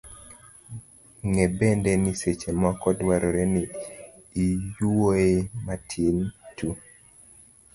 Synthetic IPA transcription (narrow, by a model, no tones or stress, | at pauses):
ŋebɛndɛniset͡ʃemɔkɔdwaɾɔɾeniː | juoematʰjentu